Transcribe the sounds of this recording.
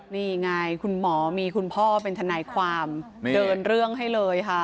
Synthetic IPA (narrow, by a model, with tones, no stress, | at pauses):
niː˥˩ŋa˧˩jkʰu˧nmɔː˩˦miː˧kʰu˧npʰɔː˥˩pe˧nt̪ʰa˧naː˩˦jkʰwaː˧m | dɤː˧nɾɯ˥˩əŋɦa˥˩jlɤː˧jkʰa˥˩